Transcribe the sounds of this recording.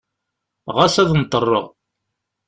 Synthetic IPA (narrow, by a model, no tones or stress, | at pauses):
ʁasæðnt̪ˤːərˤːə̰ʁ